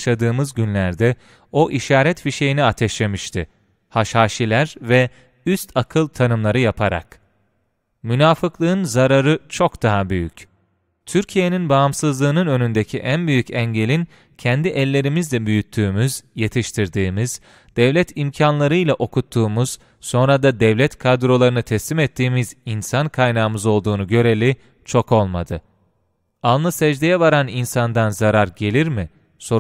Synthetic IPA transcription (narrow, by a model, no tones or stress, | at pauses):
ʃad̪ɯːmɯzɟynlʲæɾd̪ɛ | o̞ʔiʃaːɾɛt̪fiʃe̞jiniat̪ʰɛʃlʲe̞miʃt̪ʰɪ | haʃhaːʃilʲæɾvɛ | yst̪ʰakʰɯlˠt̪ʰanɯmlˠaɾɯjapʰaɾa̰k | mynaːfɯklˠɯɯnzaɾaɾɯt͡ʃʰo̞kd̪aɦabyjy̰c | t̪ʰyɾcʰije̞ninbaːmsɯzlˠɯːnɯnø̞nynd̪ecʰiʔænbyjycɛɲɟe̞lʲin | cʰɛnd̪iʔɛlʲːe̞ɾimizlɛbyjyt̪ʰːyːmyzje̞t̪ʰiʃt̪ʰiɾd̪iːmiz̥ | d̪̥ɛvlʲɛt̪ʰimcʰanlˠaɾɯjlʲaʔo̞kut̪ʰːuːmuz̥ | so̞nɾad̪ad̪ɛvlʲɛt̪kʰad̪ɾo̞lˠaɾɯnɯt̪ʰɛslʲimɛt̪ʰːiːmizinsankʰajnaːɯmɯzo̞lˠd̪uːnuɟø̞ɾe̞lʲi | t͡ʃʰo̞ko̞lˠmad̪ɯ | alˠnˠɯsɛd͡ʒd̪ejɛvaɾaninsand̪anzaɾaɾɟe̞lʲiɾmɪ | so̞